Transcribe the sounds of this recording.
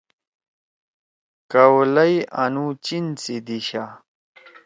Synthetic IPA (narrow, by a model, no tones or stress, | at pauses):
kɐwlɐjɐnut͡ɕint͡sid̪iɕa